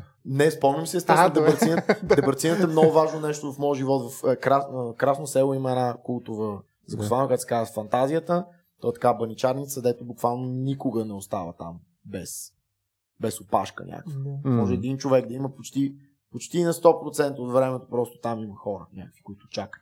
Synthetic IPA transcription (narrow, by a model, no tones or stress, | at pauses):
nɛspɔmnʲimsɛst̪ɛsnod̪ɛbɾt̪sinət̪d̪ɛbɐɾt̪sinət̪ɛmnɔɡʊvaʒnonɛʃt̪ʊvɐfmɔjəʒivɔt̪vɐfkɾasnkɾasnosɛlˠoiməɛd̪nakulˠt̪ʊvə | zɐkʊsvankakt̪sɛ̥kazəfɐnt̪azijət̪ə | t̪ɔɛt̪ɐ̥kabɐnit͡ʃaɾnit̪səd̪ɛt̪ʊbukvalˠnonikoɡənɛost̪avət̪a̰m | bɛs | bɛsopa̰ʃkə̰nɲʲʔa̰kvəmɔʒɛɛd̪int͡ʃovɛɡd̪ɐiməpot͡ʃt̪i | pot͡ʃt̪iːnɐst̪ɔpɾot̪sɛnt̪əot̪vɾɛmɛt̪opɾɔst̪o̥t̪amiməxɔɾə̰nʲʔakəkvi̥kʊit̪ʊ̥t͡ʃakə̥